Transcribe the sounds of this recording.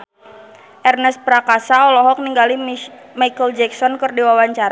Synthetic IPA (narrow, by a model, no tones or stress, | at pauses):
ʔɛrnɛs̚pɾakasaɔlɔɦɔk̚niŋɡali | majkəld͡ʒɛksɔnkərdiwawaɲt͡ʃaɾa